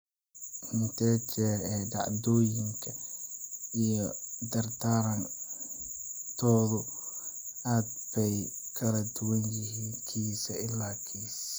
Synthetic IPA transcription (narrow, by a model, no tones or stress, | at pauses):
mɪnt̪ʰɛːt͡ʃɛːɾɛːɖɑ̰ʕd̪ɔːjɪŋkʰɐ | ijɔd̪ɐrd̪ʰaːɾɐn | t̪ʰɔːðʊ | aːd̪̚bɛjkʰɐlɐd̪ʊwɐnjɪɦiːnkʰiːsɐɪlːaːkʰiːs